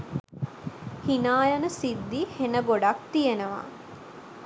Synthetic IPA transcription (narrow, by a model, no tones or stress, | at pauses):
hinaːjɐnəsid̪ːihenəboɖak̚t̪ijenəʋa̰